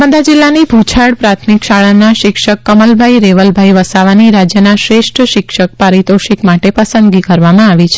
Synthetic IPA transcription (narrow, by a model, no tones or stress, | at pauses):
məd̪ad͡ʒɪlːanibʱut͡ʃʰaɽpɾat̪ʰmikʃaɭanaʃɪkʃəkːəməlbʱaiɾeʋəlbʱaiʋəsaʋaniɾad͡ʒjənaʃɾeʃʈʰəʃɪkʃək̚paɾit̪oʃikmaʈepəsə̃nd̪ɡikəɾʋamãaʋit͡ʃʰe